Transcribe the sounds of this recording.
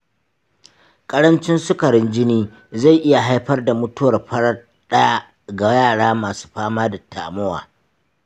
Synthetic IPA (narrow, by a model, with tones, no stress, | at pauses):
kʼɐ˦ɽɐ˦nt͡ʃɪ˦nsʊ˦kɐ˨ɽɪ˦nd͡ʒɪ˦niː˦ | za˦˨jʔɪ˦ja˨ɦa˦jɸɐ˦rda˨mʊ˦tʊ˦wɐ˨rɸɐ˦ɽɐ˦ | ɗɐ˦ja˦ | ɡa˨jaː˦˨ɽaː˦maː˨su̥ː˦ɸaː˦maː˦da˨tʰa̰ː˨mʊ˦wa̰ː˨